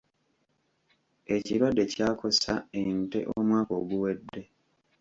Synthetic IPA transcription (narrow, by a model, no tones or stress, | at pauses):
e̞ciɾwadːe̞caːkʰo̞sa̰eintḛʔomwaːko̞ːɡuwe̞dːe̞